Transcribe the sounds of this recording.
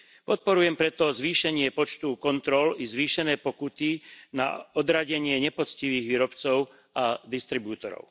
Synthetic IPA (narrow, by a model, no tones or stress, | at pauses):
pɔt̪̚pɔɾujɛmpɾɛt̪ɔzʋiːʃɛɲɪɛpɔt͡ʃt̪ukɔnt̪ɾɔlizʋiːʃɛnɛːpɔkut̪ina̰ɔd̪ɾaɟɛɲɪɛɲɛpɔt͡sciʋiːɣʋiːɾɔpt͡sɔʊ | ad̪ist̪ɾibuːt̪ɔɾɔ̰ʊ